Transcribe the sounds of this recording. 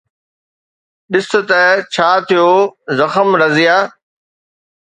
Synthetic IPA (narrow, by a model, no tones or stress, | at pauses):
ɗɪs̆t̪ət͡ɕʰaːt̪ʰijoːzɐxəmɾɐzɪjaː